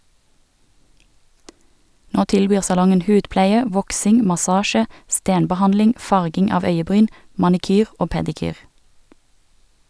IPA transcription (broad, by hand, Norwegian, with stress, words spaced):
ˈnoː ˈtɪlˌbyːʁ sɑˈlɔŋən ˈhʉːdˌplæɪə ˈʋɔksɪŋ mɑˈsɑːʃə ˈsteːnbəˌhɑnlɪŋ ˈfɑʁɡɪŋ ˈɑːʋ ˈœʏəˌbʁyːn mɑnɪˈkyːʁ ˈoː pɛdɪˈkyːʁ